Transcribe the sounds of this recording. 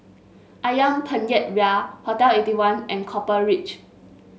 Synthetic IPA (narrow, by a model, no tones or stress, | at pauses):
ʔajãŋpʰə̃njɛt̚ɹafɔtaletiwãnʔɛ̃nkʰɔpəɹit͡ʃ